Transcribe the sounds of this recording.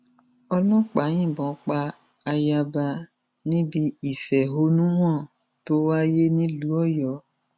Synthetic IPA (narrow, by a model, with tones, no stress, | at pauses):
ɔ˦lɔ̃˦k͡pa˨˦ɲĩ˦˨bɔ̃˨˦k͡pa˧ | a˧ja˧ba˧ | nĩ˦bi˧i˨fɛ˨ɦo˦nũ˦w̃ɔ̃˦˨ | to˦wa˦je˦nĩ˦lu˦ɔ˦jɔ˨˦